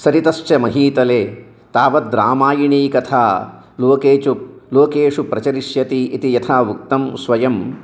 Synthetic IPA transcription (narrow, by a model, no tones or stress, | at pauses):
sɐɾit̪ɐʃt͡ʃɐmɐɦiːt̪ɐleː | t̪aːʋɐd̪ɾa̰ːmaːjiɳiːkɐt̪ʰaː | loːkeːt͡ʃup̚loːkeːʂupɾɐt͡ʃɐɾiʂjɐt̪iʔːt̪ijɐt̪ʰaːʋuk̚t̪ɐmsʋɐjɐm